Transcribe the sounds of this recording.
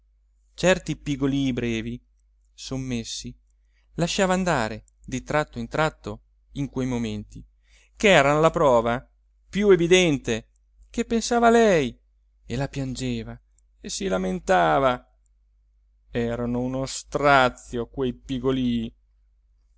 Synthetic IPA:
t͡ʃɛrt̪ipiɡoliːbɾɛːvi | somːesːi | laʃːaːvaːnd̪aːɾe | d̪it̪ɾat̪ːoint̪ɾat̪ːo | iŋkwejmoment̪i | keɛːɾanolapɾɔːva | pjuevid̪ɛnt̪e | kepːensaːvaːlɛj | elapjand͡ʒeːva | esilament̪aːva | ɛːɾanounost̪ɾat̪sjokwejpiɡoliː

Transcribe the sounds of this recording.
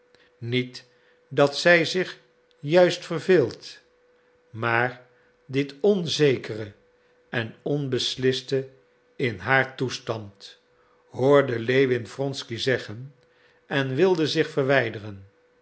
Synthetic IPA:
nit | dɑtsɛjzɪχ | jœɥstfərvɪːlˠt | maːɹ | dɪtɔnzejkərə | ɛnɔnbəslɪstə | ɪnɦaːɹtustɑnt | ɦʊːɹdəlejʋɪnfrɔnskizɛχən | ɛnʋɪlˠdəzɪχfərʋɛjdərən

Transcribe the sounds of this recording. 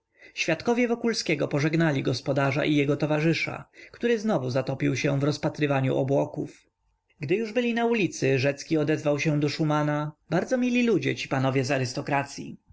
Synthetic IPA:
ɕfʲjat̪kɔvʲjɛvɔkulskʲɛɡɔpɔʐɛɡnalʲiɡɔspɔd̪aʐa̰ʔijɛɡɔt̪ɔvaʐɘʂa̰kt̪uɾɘznɔvuzat̪ɔpʲiwɕɛvɾɔspat̪ɾɘvaɲṵʔɔbwɔkuf | ɡd̪ɘjuʐbɘlʲinaulʲit̪sɘʐɛt̪skʲiɔd̪ɛzvawɕɛ̃d̪ɔʂumanabaɾd̪zɔmʲilʲilud͡ʑɛt͡ɕi̥panɔvʲjɛzaɾɘst̪ɔkɾat̪sʲjḭ

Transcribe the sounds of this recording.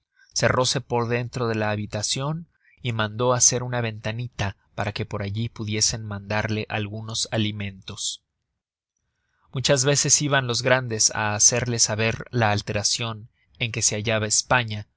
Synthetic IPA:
se̞rʔo̞se̞po̞ɾðe̞nt̪ɾo̞ðe̞laːβit̪asjo̞n | imãnd̪o̞ase̞ɾunaβ̞e̞nt̪anit̪a | paɾake̞po̞ɾaʝipuðje̞se̞nmãnd̪aɾle̞ʔalɣuno̞salimẽ̞nt̪o̞s | mut͡ʃazβe̞se̞siβanlo̞zɣɾand̪e̞sa̰ːse̞ɾle̞saβe̞ɾlaːlt̪e̞ɾasjo̞n | e̞ŋke̞se̞aʝaβaespaɲa

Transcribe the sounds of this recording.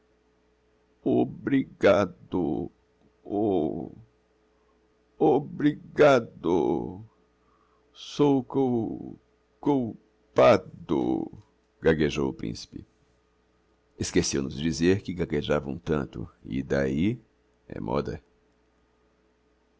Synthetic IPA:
obɾiɡad̪ʊ̰ | o | obɾiɡad̪ʊ̰ | sowko | kuw | pad̪ʊ̰ | ɡaɡeʒowʊpɾḭ̃si̥pɪ | eskesewnʊzd͡ʒizeɾkɪɡaɡeʒavɐ̰̃w̃t̪ɐ̰̃nt̪ʊ̰ɪ̰d̪ai | ɛ̰mʔɔ̰d̪ɐ̰

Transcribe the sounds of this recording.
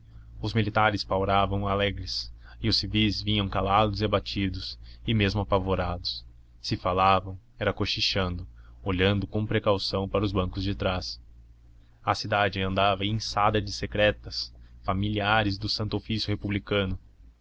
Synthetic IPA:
ʊzmilit̪aɾɪspawɾavɐ̃w̃alɛɡɾɪs | ɪʊsivizvĩɲɐ̃w̃kalad̪ʊziabat͡ʃid̪ʊsɪmezmʊapavoɾad̪ʊs | sɪfalavɐ̃w̃ɛɾɐkoʃiʃɐ̃nd̪ʊoʎɐ̃nd̪ʊkõpɾekawsɐ̃w̃paɾɐʊzbɐ̃ŋkʊzd͡ʒɪt̪ɾas | ɐsid̪ad͡ʒɪɐ̃nd̪avɐẽj̃sad̪ɐd͡ʒɪsekɾɛt̪ɐsfamiliaɾɪzd̪ʊsɐ̃nt̪ʊofisjʊhepublikɐ̃nʊ

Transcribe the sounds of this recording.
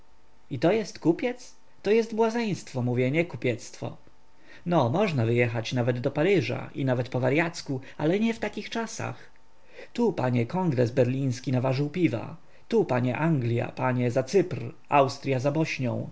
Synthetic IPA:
it̪ɔjɛst̪kupʲjɛt̪s | t̪ɔjɛst̪bwazɛj̃st̪fɔmuvʲjɛɲɛkupʲjɛt̪st̪fɔ̰ | nɔmɔʐnavɘjɛxat͡ɕnavɛd̪ːɔpaɾɘʐa̰ʔinavɛt̪pɔvaɾjat̪skualɛɲɛft̪akʲixt͡ʂasa̰x | t̪upaɲɛkɔŋɡɾɛzbɛɾlʲĩj̃skʲinavaʐɘwpʲiva̰ | t̪upaɲɛʔaŋɡlʲja̰paɲɛzat̪sɘpr | awst̪ɾʲjazabɔɕɲɔ̃w̃

